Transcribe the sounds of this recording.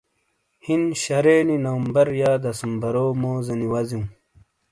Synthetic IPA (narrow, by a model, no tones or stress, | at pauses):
hinɕɐɾeːninɐwmbɐɾjaːd̪ɐsumbɐɾoːmoːzɐniwɐzĩ